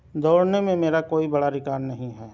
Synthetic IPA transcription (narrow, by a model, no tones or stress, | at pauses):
d̪oːɽnemẽmeːɾakoːibɐɽaɾɪkaːɾnɐɦĩɦɛː